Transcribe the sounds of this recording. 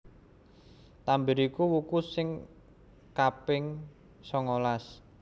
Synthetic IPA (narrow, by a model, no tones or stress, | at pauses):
t̪ambɪɾikuwukusɪŋ | kapɪŋ | sɔŋolas